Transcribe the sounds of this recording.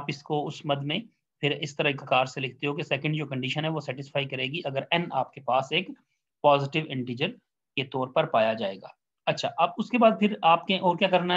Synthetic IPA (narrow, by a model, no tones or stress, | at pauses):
pɪskoʊsmɐd̪mẽ | pʰɪɾɪst̪ɐɾakakaːɾselɪkʰt̪eɦok̬esɛːkə̃ɳɖd͡ʒoːkɐ̃ɳɖiːʃənɦɛʋosɛːʈɪsfʰaːikɐɾeːɡiʔɐɡəɾɛːnaːp̚kepaːseːk | paːzɪʈɪʋɪ̃ɳʈiːd͡ʒəɾ | ket̪ɔːɾpɐɾpaːjad͡ʒaːḛːɡa̰ː | ɐtːʃʰaːʔɐbʊskebaːd̪̚pʰɪɾaːpkeʔɔːɾkjaːkɐɾnaɦ